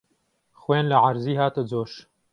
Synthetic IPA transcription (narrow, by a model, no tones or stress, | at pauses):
xweːnlɐʕaɾziːhaːt̪əd͡zoːʃ